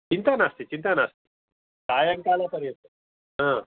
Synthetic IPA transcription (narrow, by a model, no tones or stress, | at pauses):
t͡ɕint̪anast̪it͡ɕint̪anast̪i̥ | kajəŋkalapəɾjət̪ə | ɦã